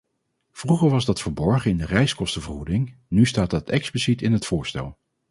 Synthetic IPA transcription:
v̥ruχəɹʋɑzdɑtfəɹbɔɹχəɪndərɛjskɔstəvəɹχudɪŋnystaːt̚dɑtʰɛksplisitɪnɦətfʊːɹstɛ̰lˠ

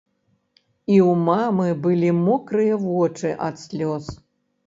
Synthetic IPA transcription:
iwmamɨbɨlʲimɔkɾɨjɐvɔt͡ʂɨʔɐt̪sʲlʲɔs

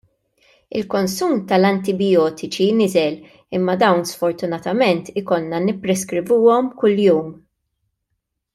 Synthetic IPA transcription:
ɪ̰lkɔnsuːmt̪ɐlɐnt̪ɪbɪjɔːt̪ɪt͡ʃinɪzɛl | ɪmːɐd̪ɐwnsfɔɾt̪ʊnɐt̪ɐmɛnt̪ɪkɔnːɐnɪpːɾɛskɾɪvuːɔmkʊljuːm

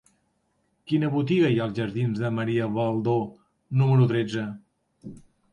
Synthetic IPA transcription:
kinəβut̪iɣəjalˠzʒəɾðinzðəməɾiəβalˠd̪o | numəɾut̪ɾed͡zə

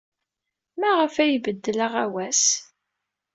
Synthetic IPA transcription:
mæʁəfæjvəd̪ːələʁæwæs

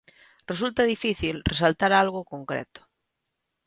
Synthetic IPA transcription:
res̬ult̪aðifiθilresalt̪aɾalɣokoŋkɾɛ̰t̪ʊ̥

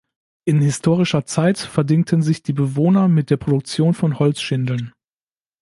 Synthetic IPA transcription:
ʔɪnhɪstʰoːʁ̞ɪʃɐt͡saɪtfɛɐdɪŋ̚tʰənzɪçd̥iːbəvoːnɐmɪt̚d̥eːɐpʁ̥odʊk̚t͡sjoːnfɔnhɔlt͡sʃɪndl̩n

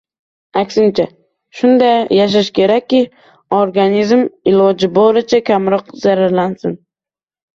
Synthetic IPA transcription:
akʲsɪnt͡ʃʰa | ʃʊnd̪ajːaʃ̬aʃkʲʰe̞ɾakʲːɪ | oɾɡanizmɪlˠɒd͡ʒɪbɒɾɪt͡ʃʰakʲʰamɾɒqz̥aɾaɾlansɪn

